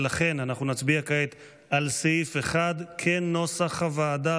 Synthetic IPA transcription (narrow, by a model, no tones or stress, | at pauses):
laχe̞nanaχnunat͡sbiakaet̪ | alseifeχad̪kʰeno̞saχavaːd̪a